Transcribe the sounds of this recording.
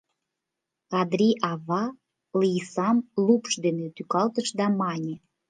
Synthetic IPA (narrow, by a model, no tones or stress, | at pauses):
ɣɑd̪ɾiʔɑβɑ | lisɑmlupʃd̪enet̪ykɑlt̪əʃd̪ɑmɑnʲe